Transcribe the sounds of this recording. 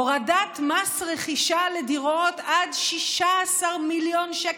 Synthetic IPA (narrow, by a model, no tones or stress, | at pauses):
oʁadat̪masʁeχiʃalediʁotad̪ʃiʃaːsaʁmiljonʃa